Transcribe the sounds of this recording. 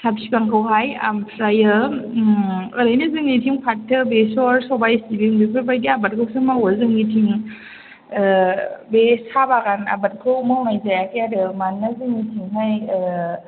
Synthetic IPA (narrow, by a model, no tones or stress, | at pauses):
sʰap̚sikaŋkʰawɦaja̰mpʰɾajɯ | ɯɾajnɯzɯŋnitʰiŋpʰatʰːɯbesɔɾsɔbajstibiŋbikʰɯɾbajɡiabat̚kʰɯwsɯmawazɯŋnitʰiŋ | besʰabaɡana̰bat̚kʰɯwmawnajzajakʰijadɯmanːazɯŋnitʰiŋɦaj